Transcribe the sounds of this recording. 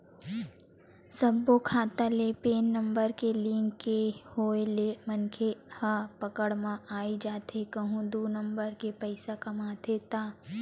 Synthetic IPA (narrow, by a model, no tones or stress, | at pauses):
sɐbːokʰaːt̪alepeːnːɐ̃mbəɾkelĩːŋkːehoːelemɐnkʰehapɐkəɽmãaːid͡ʒaːt̪ekɐɦũd̪uːnə̃mbəɾkepɐɪsakɐmaːd̪ʰʱeːt̪aː